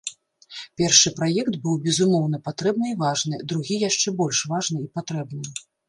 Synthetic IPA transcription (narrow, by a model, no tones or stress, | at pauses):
pʲɛrʂɨpɾajɛkt̪bɨwbʲɛzumɔwn̪ɐpat̪ɾɛb̚nɨivaʐnɨd̪ɾuɣʲijaʂt͡ʂɛbɔlʲʂvaʐnɨipat̪ɾɛbnɨ